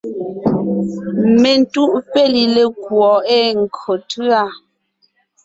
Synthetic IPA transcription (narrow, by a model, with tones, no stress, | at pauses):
me˨n˦tu˦ʔpe˦li˨le˨kwɔ˨e˦ŋ̩˨kʰo˨tʰɰa˦˨